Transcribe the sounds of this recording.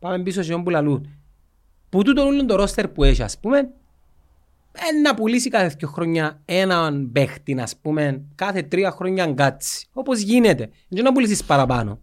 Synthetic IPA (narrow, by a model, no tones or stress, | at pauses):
pɐme̞mbisosiombulɐlun | put̪ut̪onulːund̪oɾost̪eɾpueʃiɐ̰spumen | enːɐpulisikɐθeθcoxɾoɲːɐenɐnbext̪inɐspume̞nkɐθe̞t̪ɾiɐxɾo̞ɲːɐŋɡat͡si̥o̞pozʝinet̪e̞ | ɲd͡ʒonːɐp̬ulisispɐɾɐpɐ̰no̰